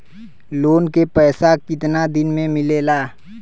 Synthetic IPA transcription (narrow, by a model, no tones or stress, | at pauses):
loːnkepɛːsakɪt̪nad̪ɪnmẽmɪleːlaː